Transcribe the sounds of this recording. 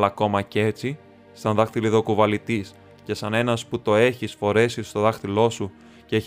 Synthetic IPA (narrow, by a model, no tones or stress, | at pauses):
lɐko̞mɐce̞t͡si | sɐnðɐxt̪iliðo̞kuvɐlit̪is | ce̞sɐne̞nɐsput̪o̞e̞çisfo̞ɾe̞sist̪o̞ðɐxt̪ilo̞su | ceç